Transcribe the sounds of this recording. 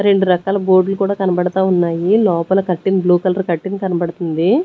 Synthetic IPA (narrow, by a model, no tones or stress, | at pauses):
ɾe̞ɳɖuɾɐkaːlɐbo̞ːɾɖlukuːɽaːkɐnɐbɐɽɐt̪aːunːaːjilɔːpɐlɐkɐʈːinbluːkɐlɐɾkɐʈːinikɐnɐbɐɽɐt̪und̪i